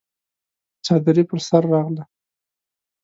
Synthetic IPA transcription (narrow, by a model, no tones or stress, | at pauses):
t͡ʃɑd̪ɾipəɾsaɾːɑɣla